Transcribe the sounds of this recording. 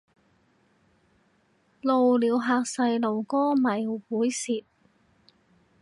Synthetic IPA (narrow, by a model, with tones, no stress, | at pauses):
lo˨wliː˨˧wɦaː˨˧k̚sɐ˧jlo˨˩wkɔː˥mɐ˨˩jwuː˨˥jsiː˨t̚